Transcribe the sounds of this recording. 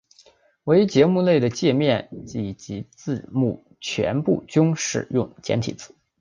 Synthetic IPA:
we˧˥ɪt͡ɕjɛ˧˥mu˥˧le˥˩ɪd̪ə˩t͡ɕjɛ˥˧mjɛ˥˩nt͡ɕi˨˩t͡ɕi˧˥t͡sɹ̩˥˧mṵ˥˩ | t͡ɕʰɥɛ̰˧˥npṵ˥˩t͡ɕjʊ˥ŋʂɻ̩̰˥˩jʊ˥˩ŋt͡ɕjɛ˧˥nt̪ʰi˨˩t͡sɹ̩˥˩˦

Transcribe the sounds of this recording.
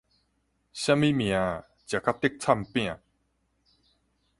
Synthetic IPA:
ɕã˦˥mi˦mj̃ã˨˦ | t͡ɕja˨˩kʰa˦˥t̪i˦˥˦k̚t͡sʰa˥˧˨mpj̃ã˨

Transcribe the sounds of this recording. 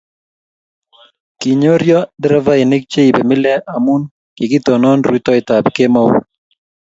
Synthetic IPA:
ki˨ɲo˦ɾjɔ˦dɾa˦va˦e˨ne˦k̚t͡ʃe˦i˨be˨mɪ˦lɛ˦ʔa˨mu˦n | kɪ˨ɡi˦t̪ɔ˨nɔ˦nrwi˦t̪ɔ˦ɪ˨ta˨bke˦mɔ̰˦

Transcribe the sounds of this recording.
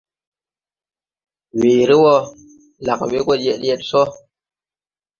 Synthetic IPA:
we˨ɾe˦wɔ˦ | la˨kwe˦ko˦˨˦je˨tjɛ˦˨tsɔ˦

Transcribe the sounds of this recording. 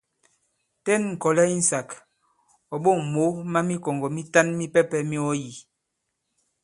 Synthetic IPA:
tɛ˦nŋ̩˨kɔ˨lɛ˦i˦n̩˨sa˨k | ɔ˨ɓo˦˨ŋ˨mo˨˦ma˦mi˦kɔ˨ŋɡɔ˨mi˦ta˦nmi˦pɛ˦pɛ˦mi˦ɔ˦ji˨

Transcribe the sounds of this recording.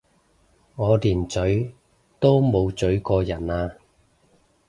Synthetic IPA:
ŋɔː˨˧liː˨˩nt͡sɵ˨˥ɥ | t̪o˥wmo˨˧wt͡sɵ˨˥ɥkɔː˧jɐ˨˩naː˧

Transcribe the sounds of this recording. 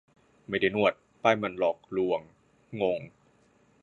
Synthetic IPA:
ma˥˩jda˥˩jnu˥˩ət̪̚ | paː˥˩jma˧nlɔː˨˩k̚lu˧əŋː | o˧ŋ

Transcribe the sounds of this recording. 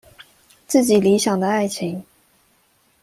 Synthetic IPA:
t͡sɹ̩˥˩t͡ɕi˨˩li˧˥ɕjɑ˨˩ŋd̪ə˦a˥˩ɪt͡ɕʰi˧˥˦ŋ

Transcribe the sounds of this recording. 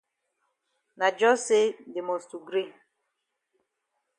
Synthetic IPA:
na˨d͡ʒɔ˦se˦dɪ˨mɔ˨stu˨ɡɾi˦˨

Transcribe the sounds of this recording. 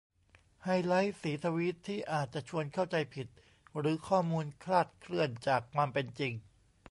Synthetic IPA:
ha˧jla˦˥jsiː˩˦t̪ʰa˧wi˦˥t̪ʰːiː˥˩ʔaː˨˩t̪̚t͡ɕa˨˩ʔt͡ɕʰu˧ənkʰa˥˩wt͡ɕa˧jpʰi˨˩t̪̚ | ɾɯː˩˦kʰɔː˥˩muː˧nkʰlaː˥˩t̪̚kʰlɯ˥˩ənt͡ɕaː˨˩kʰːwaː˧mpe˧nt͡ɕi˧ŋ

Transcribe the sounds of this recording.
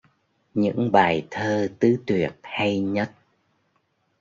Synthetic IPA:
ɲɨ̰˧˥ŋɓaː˨˩jt̪ʰəː˧t̪ɨ˨˦t̪wi˨˩ət̚ha˧jɲə˦˥t̚

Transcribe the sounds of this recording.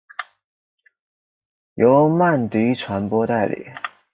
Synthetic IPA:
jo˧˥ʊma˥˩nt̪i˧˥ʈ͡ʂʰwa˧˥npwɔ˥t̪a˥˩ɪlḭ˨˩˦

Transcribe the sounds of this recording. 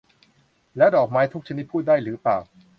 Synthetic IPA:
lɛː˦˥dɔː˨˩k̚maː˦˥jt̪ʰu˦˥k̚t͡ɕʰa˧ni˦˥t̪̚pʰuː˥˩daː˥˩jɾɯː˩˦paː˨˩w

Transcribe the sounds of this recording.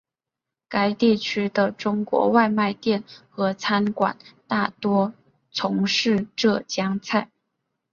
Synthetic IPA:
ka˥ɪt̪i˥˩t͡ɕʰy˥d̪ə˨ʈ͡ʂʊ˥ŋkwɔ̰˧˥wa˥˧ɪma˥˧ɪt̪jɛ˥˩nxɤ˧˥t͡sʰa˥nkwa̰˨˩˦nt̪a˥˩t̪wɔ˥ | t͡sʰʊ˧˥ŋʂɻ̩˥˧ʈ͡ʂɤ˥˩t͡ɕjɑ˥ŋt͡sʰa˥˩ɪ

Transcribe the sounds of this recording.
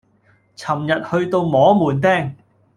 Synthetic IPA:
t͡sʰɐ˨˩mjɐ˨t̚hɵ˧ɥt̪o˧wmɔː˨˥muː˨˩nt̪ɛː˥˩ŋ

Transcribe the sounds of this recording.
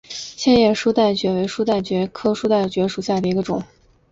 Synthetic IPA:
ɕjɛ˥˧njɛ˥˩ʂu˥t̪a˥˩ɪt͡ɕɥɛ˧˥we˧˥ɪʂu˥t̪a˥˩ɪt͡ɕɥɛ˧˥kʰɤ˥ʂu˥t̪a˥˩ɪt͡ɕɥɛ˧˥ʂu˨˩ɕja˥˩d̪ə˩i˧˥ɡə˧ʈ͡ʂʊ˨˩˦ŋ

